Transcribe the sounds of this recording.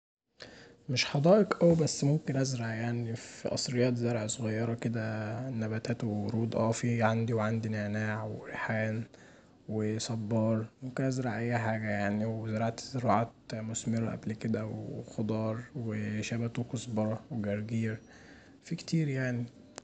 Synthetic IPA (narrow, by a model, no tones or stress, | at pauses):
meʃħɑd̪ˤɑːʔekʔæwibæsːmomkenʔæzɾɑʕjaʕnifḭʔɑ̰sˤɾejːæːt̪zɑɾˤʕsˤoɣɑjːɑɾˤɑked̪ænːæbæt̪æːt̪woɾuːd̪ˤʔɑːfiʕand̪iweʕand̪ineʕnaːʕweħæːn | wesˤɑbːɑːɾˤmomkenʔæzɾɑʕʔæjːħaːɡæjaʕniwezɑɾˤɑʕt̪zeɾɑʕaːt̪̚mosmeɾɑʔæ̰blked̪æwexod̪ˤɑːɾˤweʃæbæt̪uwkosˤbɑɾˤɑweɡæɾˤɡiːɾ | fikt̪ʰiːɾjaʕni